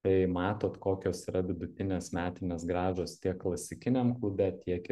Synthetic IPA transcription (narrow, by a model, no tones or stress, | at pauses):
t̪ɐɪmɑːt̪oːt̪koːkʲoːsiɾɐʋʲɪd̪ʊt̪ʲɪnʲeːsmʲæːt̪ʲɪnʲeːs̬ɡɾɑːʒoːst̪ʲiɛkːlˠɐsʲɪkʲɪnʲeːmklˠʊbʲɛt̪ʲiɛk